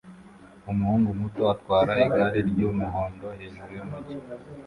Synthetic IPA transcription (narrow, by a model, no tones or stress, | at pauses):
umuhuːŋɡumutoatwaːɾaiɡaɾiɾɟumuɦoːndo̞ɦe̞ːʒuɾujomuti